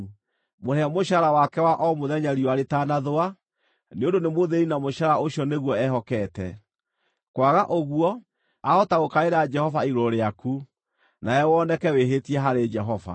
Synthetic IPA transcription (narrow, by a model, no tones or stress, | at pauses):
moɾɛamoɕaɾawakɛwaʔɔmoðɛɲaɾiɔaɾetanaðoa | neondonemoðeɾinamoʃaɾaoɕiɔneɣwɔɛɦɔkɛtɛ̰ | kwaɣaʔoɣuɔ | aɔtaɣokaeɾad͡ʒɛhɔvaiɾɔɾeaku | naɛwɔnɛkɛweɦetiɛɦaɾed͡ʒɛɦɔva̰